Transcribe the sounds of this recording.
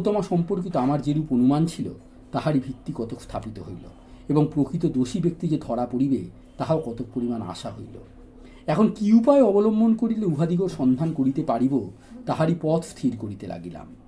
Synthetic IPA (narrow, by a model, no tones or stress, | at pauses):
t̪ɔmaʃɔmpoɾkit̪oamaɾd͡ʑeɾuponumant͡ɕʰilo̰ | t̪aɦaɾibʱikt̪ːikɔt̪okst̪ʰapit̪oɦojlo̰ | eboŋpɾokʰɾit̪̬od̪oʃibek̚t̪id͡ʑed̪ʱɔɽapoɽibe | t̪aɦaokɔt̪ok̚poɾimana̰ʃaɦojlo̰ | ɛkʰonkiupaeɔbolombʱonkoɾileubʱad̪iɡoɾʃɔnd̪ʱankoɾit̪epaɽibo | t̪aɦaɾipɔt̪ʰst̪ʰiɾkoɾit̪ela̰ɡila̰m